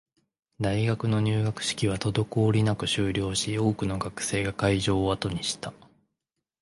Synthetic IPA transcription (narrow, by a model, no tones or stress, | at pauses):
d̪aiɡakɯ̟no̞ɲ̟ɨːɡakɯ̟̥ɕi̥kʲiβ̞at̪o̞d̪o̞ko̞ːɾʲinakɯ̟ɕɨːɾʲo̞ːɕio̞ːkɯ̟no̞ɡakɯ̟̥se̞ːɡakaiʑo̞ːat̪o̞ɲ̟iɕi̥t̪a